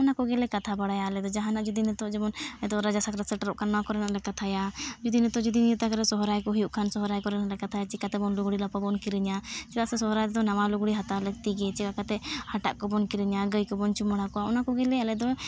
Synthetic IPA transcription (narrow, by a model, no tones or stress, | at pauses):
ɔnakɔɡɛlɛkat̪ʰabaɽajaːlɛd̪ɔd͡ʒaɦanaʔd͡ʒud̪inɛt̪ɔʔd͡ʒɛmɔnɛt̪ɔɾad͡ʒasakɾasɛʈɾɔʔkʰanːawakɔɾɛnaʔlɛkat̪ʰajad͡ʒud̪inɛt̪ɔʔd͡ʒud̪inijut̪akaɾɛsɔɦɔɾajkɔɦujuʔkʰansɔɦɔɾajkɔɾɛnaʔlɛkat̪ʰajat͡ʃikat̪ɛbɔnluɡɽilapabɔnkiɾəɲat͡ʃɛlaʔsɛsɔɦɔɾajt̪ɛd̪ɔnawaluɡɽiɦat̪alək̚t̪iɡɛt͡ʃɛkakat̪ɛhaʈa̰ʔkɔbɔnkiɾiɲaɡəjkɔbɔnt͡ʃuməɽakɔwaɔnakɔɡɛlɛalɛd̪ɔ